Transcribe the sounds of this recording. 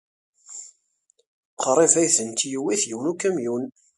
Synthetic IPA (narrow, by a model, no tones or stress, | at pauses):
qʰɾˤevæjθənt̪juwiθjuwnukːæmjun